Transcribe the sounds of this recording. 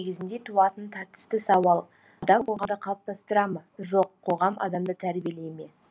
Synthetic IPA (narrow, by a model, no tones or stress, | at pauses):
eɡʲɪzɪnd̪e̞t̪ʰuɑt̪ənt̪ʰɑɾt̪ə̥st̪əsɑwɑlˠ | ɑd̪ɑmbolˠʁɑnd̪əqʰɑlˠəp̚t̪ʰɑst̪əɾɑməʒo̞qʰːo̞ʁɑmɑ̰d̪ɑmd̪ət̪ʰæɾbijele̞jme̞